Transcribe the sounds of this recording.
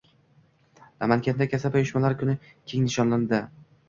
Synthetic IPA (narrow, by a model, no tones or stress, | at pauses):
namankʲand̪akʲʰasapajʊʃmalaɾkʰʊnɪ | kʲʰe̞ŋnɪʃɒnland̪ɪ